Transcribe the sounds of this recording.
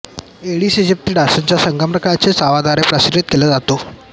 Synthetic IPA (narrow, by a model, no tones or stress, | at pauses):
eɽiːsed͡ʑep̚t̪iːɖasənt͡ɕasəŋɡəmpɾəkaɾt͡sesaʋad̪aɾepɾəsiɾit̪̚keləd͡zat̪o